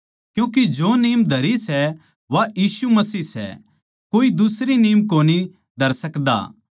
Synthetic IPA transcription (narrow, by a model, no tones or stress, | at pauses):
kjũːk̬id͡ʒoːniːmd̪ʱɐɾisɛ | ʋajiːsumɐsiːsɛ̰ | koːid̪ʊsɾiniːmkoːni | d̪ʱɐɾsɐkd̪a̰ː